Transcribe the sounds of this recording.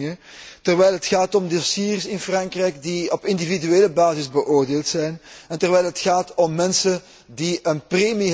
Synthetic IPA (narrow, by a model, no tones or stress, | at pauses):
ə | tərʋɛjlˠɦətxaːtɔmdɪsiːrsɪnfrɑŋkrɛjkdiɔpɪndividyeːləbaːzɪzbəʔoːrdeːlˠtsɛjnɛntərʋɛjlˠɦətxaːtɔmːɛnsən | diʔənpreːmi